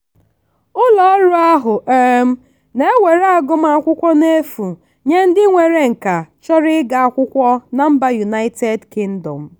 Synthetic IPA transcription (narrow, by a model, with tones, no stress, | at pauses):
ʊ˦lɔ˦ɾu˦a˦ɦʊ˨ʔe˦m̩˦ | ne˦ŋʷe˨ɾa˦˨ɡʊ˦m˦a˦kʷʊ˦kʷɔ˦ne˦fu˨ | ɲe˦n̩˦dɪ˦ŋʷe˨ɾe˦ŋ̩˨ka˨t͡ʃɔ˦ɾɪ˦ɡa˨a˦kʷʊ˦kʷɔ˦na˨m̩˦ba˦ju˨na˦ɪ˦te˨dkɪ˦n̩˦dɔ˨m̩˨